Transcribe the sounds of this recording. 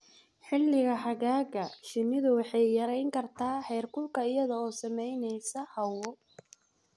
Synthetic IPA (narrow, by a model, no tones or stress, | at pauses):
ħɪlːɪɣɐɦɐɣaːɣɐʃɪnːɪðʊwɑħɑjːɐɾɛjŋkʰɐrt̪ʰaːħɛːrkʰʊlkʰɐɪjɐðɐɔːsɐmɛjnɛjsɐhɐwɔ